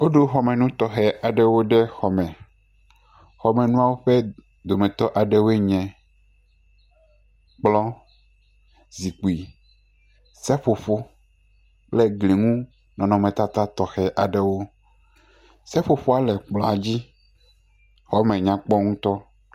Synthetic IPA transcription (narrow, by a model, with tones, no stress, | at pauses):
o˦ɖo˦xɔ˨mɛ̃˨nũ˦t̪ɔ˨xɛ˨ʔa˨ɖɛ˦wo˦ɖɛ˦xɔ˨mɛ̃˨ | xɔ˨mɛ̃˨nũ˦a˦wo˦ɸɛ˦ | d̪o˨mɛ̃˨t̪ɔ˦ʔa˨ɖɛ˦wo˦e˦ɲɛ̃˨ | k͡plɔ˦ | zi˨k͡pu˨i˨ | sɛ˦ɸo˨ɸo˦ | k͡plɛ˦ɡle˨ŋũ˦ | nɔ̃˨nɔ̃˨mɛ̃˨t̪a˦t̪a˦t̪ɔ˨xɛ˨ʔa˨ɖɛ˦wo˦ | sɛ˦ɸo˨ɸo˦a˨lɛ˨k͡plɔ˨a˨d͡ʑi˦ | xɔ˦mɛ̃˨ɲã˨k͡pɔ˦ŋũ˦t̪ɔ˦